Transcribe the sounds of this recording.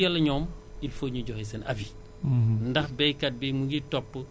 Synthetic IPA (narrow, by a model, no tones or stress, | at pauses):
ɐlɐɲɔːmilfoɲuɟɔhis̬ɐnɐfi | ndɐxbɛjkɐt̚bimuŋɡitɔpːə